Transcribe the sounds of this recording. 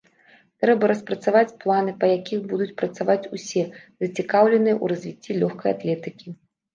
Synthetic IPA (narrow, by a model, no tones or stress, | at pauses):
t̪ɾɛbɐɾɐspɾɐt̪savat͡sʲplˠanɨpɐjakʲixbud̪ut͡sʲpɾɐt̪savat͡sʲusʲɛzɐt͡sʲikawlʲɛnɨjɛʔurɐzʲvʲit͡sʲːilʲɔxkɐja̰t̪lʲɛt̪ɨkʲi